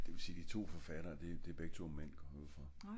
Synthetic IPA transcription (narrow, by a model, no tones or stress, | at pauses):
d̥e̝ʋe̝siːd̥it͡sʰo̝̰ːfɒ̽fæɾ̥ɐːd̥e̝d̥eb̥eɡ̥̚t͡sʰumen̰ɡ̥ɒ | fɒ